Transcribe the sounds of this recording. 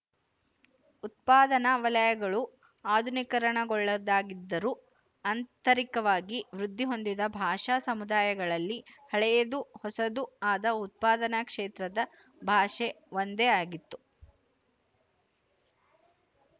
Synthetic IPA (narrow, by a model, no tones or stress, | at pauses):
ut̪̚paːd̪ɐnɐʋɐlɐjɐɡɐɭu | aːd̪ʱunikɐɾɐɳɐɡɔɭːɐd̪aːɡid̪ːɐɾu | ɐnt̪ɐɾikɐʋaːɡiʋɾud̪ʱːiɦo̞nd̪id̪ɐbʱaːʂasɐmud̪aːjɐɡɐɭɐlːihɐɭɛjɐd̪uhɔsɐd̪uaːd̪ɐut̪̚paːd̪ɐnɐkʂeːt̪ɾɐd̪ɐ | bʱaːʂe | ʋond̪eaːɡit̪ːu